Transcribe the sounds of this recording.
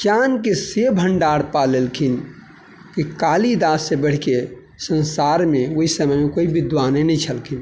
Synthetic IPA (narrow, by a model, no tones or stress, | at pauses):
t͡ʃankesebʱəɳɖaɾpalelkʰin | kikalid̪asebəɽ̤ke | sə̃nsaɾmẽoisəməmẽkoibid̪ʋanenɛt͡ʃʰəlkʰin